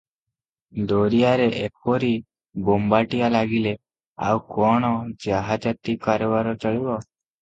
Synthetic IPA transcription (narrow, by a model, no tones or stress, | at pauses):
d̪oɾijaɾeʔek̚ɔɾi | bombaʈijalaɡile | a̰wkɔɽ̃ɔd͡ʒaɦad͡ʒat̪ikaɾɔbaɾɔt͡ʃəɭibɔ